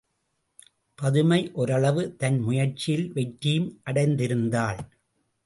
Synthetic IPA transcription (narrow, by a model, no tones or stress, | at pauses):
pɐðɯmɐɪʔɔɾɐɭɐʋɯt̪ɐnmʊjɐɾt͡ʃːɪjɪlʋɛʈːɪjɯmʔɐɽɐɪnd̪ɪɾɯnd̪aːɭ